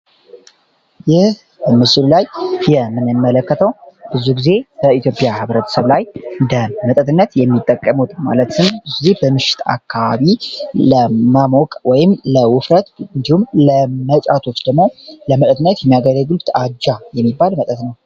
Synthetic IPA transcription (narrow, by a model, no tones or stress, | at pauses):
jɪh | bəmɨsɨlulajjɛmːɨnɨmːələkːət̪ʰəwb̥ɨzuɡize̞bəit̪jo̞pʼjahɨβɾət̪ʰə̥səβlajɨnd̪əmət̪ʼət̪ɨnːət̪jɛmːit̪ʼːəkʼːəmut̪ma̰lət̪ɨnb̥ɨzuɡizebəmɨʃɪ̥t̪ʰa̰kʰːaβaβiləmamokʼwɔjɪmləwʊfɾət̪ɨnd̪ihumləmət͡ʃʼat̪ʰo̞t͡ʃːd̪əɡmo̞ləmət̪ʼət̪ɨnːət̪jɛmːijaɡəɾəɡɨlt̪ʼad͡ʒːajɛmːibːalmət̪ʼət̪nəw